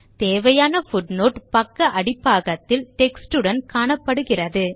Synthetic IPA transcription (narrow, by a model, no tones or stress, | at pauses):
t̪eːʋɐjaːnɐfʊɖnoːʈpɐkːɐʔɐɽɪpːaːɣɐt̪ːɪlʈɛksʈɯɽɐnkaːɳɐpːɐɽɯɣɪrɐðɯ